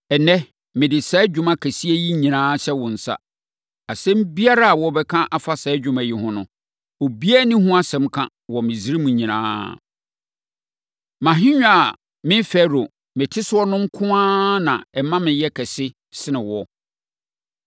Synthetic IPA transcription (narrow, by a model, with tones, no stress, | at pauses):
ɛ˨nɛ̃˦ | mɪ̃˨dɪ˨sɛː˨˦d͡ʑᶣʊ̃˨ma˨kʰæ˨si˦æ˦ji˦ɲĩ˨nãː˦ɕɛ˦wɔ̃˨n̩˨sa̰˦ | a˨sɛ̃˦m˦bi˦a˦ɾa˦a˨wɔ˨bɛ˦kʰã˦ʔa˨fa˦sɛː˨˦d͡ʑᶣʊ̃˨mæ˨ji˦hʊ̃˦nʊ̃˨ | o˨bi˦æ˦nĩ˦ɦʊ̃˦a˦sɛ̃˨mkʰã̰˦ | wɔ˨mɪ̃˨zi˦ɾi˦mũ˨˦ɲĩ˨nã̰ː˦ | mã˨ɦɪ̃˦ɲᶣ˦a˨ | mɪ̃˦fɛ˦ɾo˨ | mɪ̃˨tʰɪ˦sɪ˦ɔ˦nʊ̃˦ŋ̩˦kʰʊ̃˦ãː˦nã̰˨ɛ˨mã˦mɪ̃˨jɛ˦kʰɛ˨sɪ˦ | sɪ˦nɪ̃˨wɔ˦